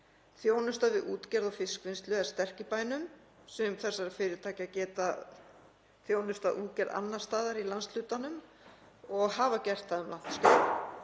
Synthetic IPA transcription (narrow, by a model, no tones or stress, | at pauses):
θjoːwnʏst̪avɪðuːt̪cɛɾðɔfɪskvɪnst̪lʏast̪ɛr̥cɪpaːjnʏm | sɛmθɛsːaɾafɪːɾɪɾt̪ʰaːcacɛːt̪a | θjoːwnʏst̪aðʔuːcɛɾða̰nːḁst̪aːðaɾilanst̪l̥ʏːt̪anʏm | ɔɣɦaːvacɛr̥t̪θaðʏmlan̥t̪sk̪a